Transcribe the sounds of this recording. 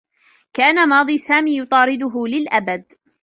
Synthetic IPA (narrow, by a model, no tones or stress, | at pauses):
kaːnamɑːd̪ˤiːsaːmiːjʊt̪ˤɑːɾɪd̪ʊɦʊlɪlʔabad̪̚